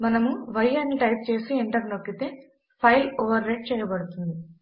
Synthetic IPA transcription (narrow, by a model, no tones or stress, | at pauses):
mɐnɐmuʋɐjɐnːiʈɐjp̚t͡ʃe̞ːsiiɳʈɐɾnokːit̪e̞ː | pʰɐjloːʋɐɾːeɖ̚t͡ʃɛːjɐbɐɽut̪und̪i